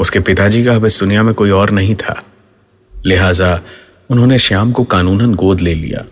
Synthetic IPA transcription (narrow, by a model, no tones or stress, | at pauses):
ʊskepɪt̪ad͡ʒiːkaɐbɪsd̪ʊnijamẽkoːiɔːɾnɐɦĩt̪ʰa̰ː | lɪɦaːza | ʊnɦõːneʃaːmkokaːnuːnənɡoːd̪leːlḭja̰ː